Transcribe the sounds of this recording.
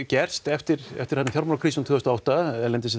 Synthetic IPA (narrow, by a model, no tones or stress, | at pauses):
cɛr̥st̪ɛft̪ɪɾɛ̰ft̪ɪɾ̥hɛt̪afjawɾmaɾakʰɾiːsnt̪ʰʏːðɔst̪aɔawht̪aɛlɛnt̪ɪs̬ɛ